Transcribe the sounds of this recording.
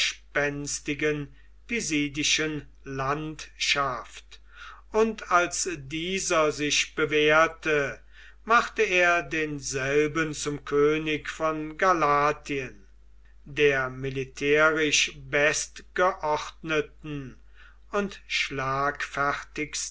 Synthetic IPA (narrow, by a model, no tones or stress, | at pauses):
ʃpɛnstɪɡən | piziːdɪʃən | lantʃaft | ʊntʰalsdiːzɐzɪʃb̥əveːɐtə | maχt̪əeːɐdeːnzɛlbənt͡sʊmkʰøːnɪkfɔnɡalaːtʰiən | deːɐmɪlitʰɛːʁɪʃvɛstɡ̥əʔɔχtnətn̩ | ʊntʃlaːkfæʁtɪks